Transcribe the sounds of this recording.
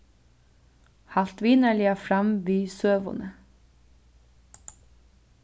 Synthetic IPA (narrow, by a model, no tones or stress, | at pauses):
hɑlt̪ʋiːnəɭɪɑfɾɑmʋiːsøːʋʊ̰nə